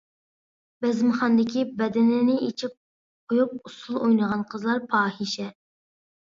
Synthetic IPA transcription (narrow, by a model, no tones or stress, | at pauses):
bɛzmχɑnd̪ɪkʲʰibɛd̪ɪnɪnɪet͡ʃʰip̚ | qʰojup̚usulˠojnəʁɑnqʰəzlˠɑɾpʰɑːhiʃɛ